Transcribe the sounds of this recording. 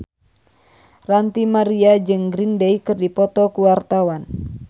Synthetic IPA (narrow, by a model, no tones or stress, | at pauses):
rant̪imaɾiad͡ʒɨŋɡɾindejkɨrdipɔt̪ɔkuwart̪awan